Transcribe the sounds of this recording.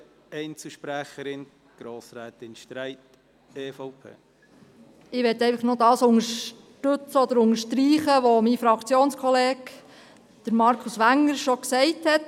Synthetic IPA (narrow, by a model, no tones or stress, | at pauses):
ɛɪnt͡səʃpɾæχəɾɪn | ɡ̥ɾoːsɾɛːtɪnʃtɾɛɪt | eːfɔʊpʰḛː | ɪʋɛtɛɪfəχnodɑːsʊŋəʃ | tɵt͡səɔd̪əɾʊŋəʃtɾiːχəʋomifɾɑkt͡sjoːnskʰɔleːk | d̪̥əɾmɑɾkʰʊsʋæŋːəɾʃɔksɛɪthɛt